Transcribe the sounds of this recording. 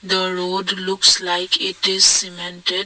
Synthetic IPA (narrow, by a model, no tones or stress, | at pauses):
d̪əɾoːɖlʊkslaɪkʰɪʈɪzsimɛ̃nʈeɖ